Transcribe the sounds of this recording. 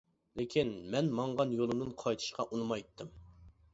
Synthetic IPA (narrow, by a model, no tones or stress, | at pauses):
lɪkʲʰinmɛnmɑɴʁɑnjolˠɨnɨnqʰɑjt̪ʰɨ̥ʃqʰɑʔunɨmɑjt̪ʰːɨm